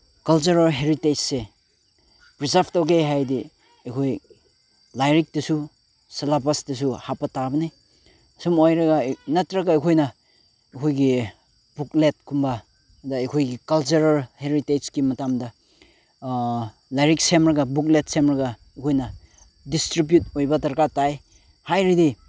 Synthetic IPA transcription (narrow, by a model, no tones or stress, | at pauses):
kɐlt͡ʃuɾalɦeɾited͡ʒse | pɾisapʰtawɡeɦajdi | ɐjkʰoj | lajɾik̚dɐsu | sɐlapasdɐs̬uhapɐtabɐnij | sumojɾɐɡɐnɐtɾɐɡɐːjkʰojnɐ | ɐkʰojɡi | buk̚let̚kʰumbɐ | dɐɐjkʰojɡikɐlt͡ʃuɾɐɾheɾited͡ʒkimɐtamdɐ | lajɾik̚semɾɐɡɐbuk̚let̚semɾɐɡɐ | ɐkʰojnɐ | distɾibjut̚ojbɐtɐɾkataj | hajɾidi